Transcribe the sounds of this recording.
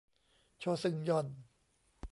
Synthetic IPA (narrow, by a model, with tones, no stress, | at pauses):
t͡ɕʰoː˧sɯ˨˩ŋjɔ˧˩n